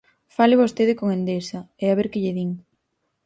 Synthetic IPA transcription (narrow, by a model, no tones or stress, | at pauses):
falɪβost̪eðɪkoŋend̪esɐ | eaβeɾkɪʎɪðiŋ